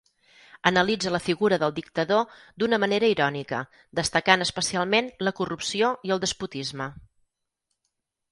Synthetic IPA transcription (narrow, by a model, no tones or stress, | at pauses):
ənəlid͡zələfiɣuɾəðəlˠd̪ik̚t̪əðo | d̪unəməneɾəiɾɔnikə̰ | d̪əst̪əkanəspəsialˠmenləkurupsioiəlˠd̪əsput̪izmə